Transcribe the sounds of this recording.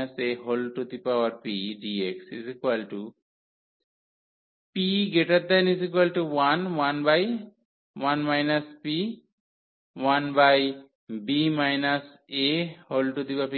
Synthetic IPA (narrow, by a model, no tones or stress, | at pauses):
aseɦolʈut̪ipaaɾpiɖieksḭzikwalʈu | piɡeʈat̪̚d̪ɛnizikwalʈuwanwanbaj | wanmajnaspi | wanbaj | bimajnas | eholʈut̪ipapi